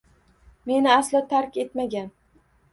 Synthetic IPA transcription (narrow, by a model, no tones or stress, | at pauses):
me̞nɪaslɪt̪ʰaɾkʲe̞t̪maɡʲan